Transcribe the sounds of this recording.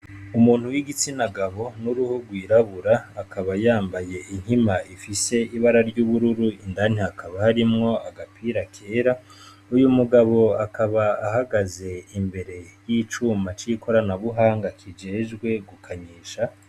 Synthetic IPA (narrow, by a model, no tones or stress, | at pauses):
umuːn̥huwiɡit͡sinaɡaβo̞nuɾuhuɡwiːɾaβuɾaːkʰaβajaːmbaje̞ʔin̥himaifise̞iβaɾaɾɟuːβuɾuɾuindan̥iakaβahaɾimŋo̞aɡapʰiːɾakʰe̞ːɾa | ujumuɡaβo̞akaβaːhaɡaze̞imbe̞ɾe̞jiːt͡ʃuːmat͡ʃiko̞ɾanaβuɦaːŋɡakʰid͡ʒe̞ːʒɡwe̞ɡukʰaɲiːʃa